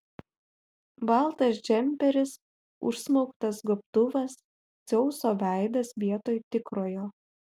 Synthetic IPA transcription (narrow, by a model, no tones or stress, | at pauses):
bɐˑlˠt̪ɐsd͡ʒʲɛmʲpʲɛɾʲɪs | ʊ̰ʃsmɔʊkt̪ɐsɡɔp̚t̪ʊʋɐs | sʲɛʊsoːʋʲæˑɪd̪ɐsʋʲiɛt̪oːjt̪ʲɪkɾoːjoː